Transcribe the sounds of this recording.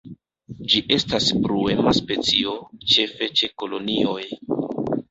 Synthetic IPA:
d͡ʒiʔe̞stasbɾue̞maspe̞t͡sio̞t͡ʃe̞fe̞t͡ʃe̞ko̞lo̞nio̞j

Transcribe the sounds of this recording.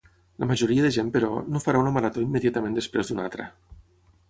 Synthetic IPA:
ləmaʒoɾiəðəʒempəɾɔ̰nofaɾaunəmaɾat̪oimːəðiat̪əmẽnd̪əspɾezd̪una̰lt̪ɾə̰

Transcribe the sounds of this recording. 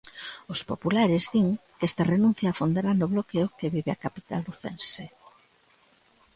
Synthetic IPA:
ʊspopulaɾɪzðiŋkɛst̪ɐrenũn̟θjaːfond̪eɾanʊβlokeokeβiβɪakapit̪a̰luθense

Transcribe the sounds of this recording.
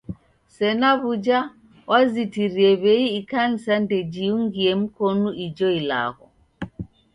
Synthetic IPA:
sɛnaβud͡ʒa | wʔazitiɾiɛβɛiːkan̩sandɛd͡ʒiuŋɡiɛm̩kɔnuid͡ʒɔila̰ɣɔ

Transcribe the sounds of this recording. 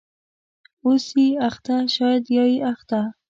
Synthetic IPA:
osiaxt̪aʃɑjad̪jɑiʔaxt̪a

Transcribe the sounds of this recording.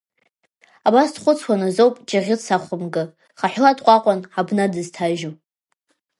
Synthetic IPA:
abasdχʷʊt͡sʰwʷanazowpʼd͡ʒaʁʲɪt͡sʰaχʷʊmɡɨ | χaħʷᶣladʼqʷʼaqʷʼanħabnadɨztʰaʒo

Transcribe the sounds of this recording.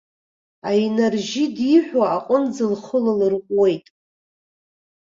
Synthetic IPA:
ajnarʒidiħʷᶣaaqʼənd͡zɨlχʊlalɨrqʷʼwe̞jtʼ

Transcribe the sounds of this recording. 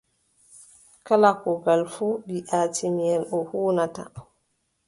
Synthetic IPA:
kalakɔɡalfuːɗiʔaːtimiɛlʔɔhuːnata̰

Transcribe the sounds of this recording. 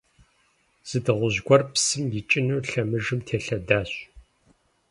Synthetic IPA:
z̥ɨdɨʁʷʊʑɡʷɔrpsɨmjit͡ʃʼɪnuːɬɐmɨʒɨmtʰeːɬɐdaːɕ

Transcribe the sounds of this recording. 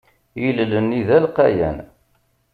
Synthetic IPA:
jəllənːiðælqæjæ̰n

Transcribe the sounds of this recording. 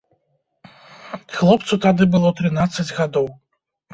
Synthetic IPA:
xlˠɔp̚t̪sut̪ad̪ɨbɨlˠɔt̪ɾɨn̪at̪sːɐd͡zʲɣad̪ɔw

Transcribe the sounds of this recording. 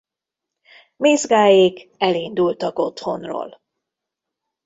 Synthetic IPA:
meːzɡaːjekɛlind̪ult̪ɒko̞t̪ho̞nro̰ːl

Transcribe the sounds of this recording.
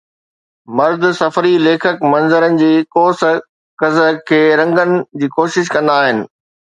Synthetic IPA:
mɐɾd̪ʊsɐfəɾileːkʰəkmɐ̃nzəɾənɪ̆d͡ʑiːkoːs | kɐzəkʰeːɾɐ̃ŋɡənɪ̆d͡ʑiːkoːʃɪʃ̬kɐ̃nd̪aːɦɪnɪ̆

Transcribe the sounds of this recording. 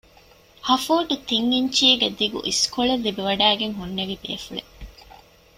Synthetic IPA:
hɐfuːʈut̪iŋːiɲt͡ʃiːɡed̪iɡṵʔiskoɭelːibiʋɐɖæːɡeŋɦunːeʋibḛːfuɭe

